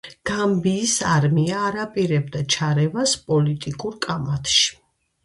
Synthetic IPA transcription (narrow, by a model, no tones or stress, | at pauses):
ɡ̥ambiːsaɾmiaːɾapʼiɾɛbd̪at͡ʃʰaɾɛvaspʼɔlit̪ʼikʼuɾkʼamat̪ʰʃi̥